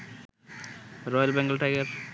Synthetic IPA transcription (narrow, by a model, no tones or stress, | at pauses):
ɾɔjalbɛŋɡəlʈajɡaɾ